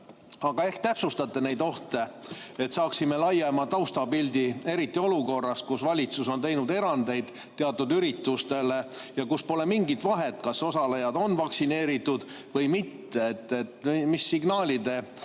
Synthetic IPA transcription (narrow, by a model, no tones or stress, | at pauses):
ɑɡ̥ɑe̞hkt̪æpsust̪ɑt̪ːˑe̞ne̞jd̪o̞ht̪e̞ | et̪sɑːksime̞lɑjemɑt̪ɑwst̪ɑpilʲd̪̥ie̞ɾit̪ːio̞luko̞rːɑs̚kusvɑlʲit̪suso̞nt̪e̞jnud̪e̞ɾɑnd̪e̞jd̪̥ | t̪ːeɑt̪ːˑud̪yɾit̪ːust̪e̞le̞ | jɑkuspo̞lemiŋɡit̪vɑɦet̪kɑso̞sɑlɑjɑd̪o̞nːvɑksine̞ːɾit̪ːˑud̪̥ | vɤjmit̪ːeet̪ːet̪ːimisːiɡnɑːlʲid̪e̞